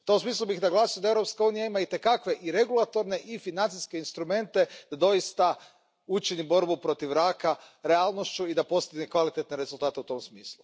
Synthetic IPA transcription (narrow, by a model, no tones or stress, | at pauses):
ut̪omsmiːslˠubixd̪aɡlˠaːsijd̪aeʋɾopskauːnijaimait̪e̞kakʋe̞ʔiɾe̞ɡulˠat̪o̞ɾne̞ʔifinant̪iske̞inst̪ɾume̞nt̪e̞d̪ad̪o̞jist̪a | ut͡ʃinibo̞ɾbupɾo̞t̪iʋɾaːkaɾealˠno̞ʃt͡ʃuid̪apo̞st̪iɡnekʋalit̪e̞t̪neɾe̞zulˠt̪aːt̪e̞ut̪o̞msmiːslˠu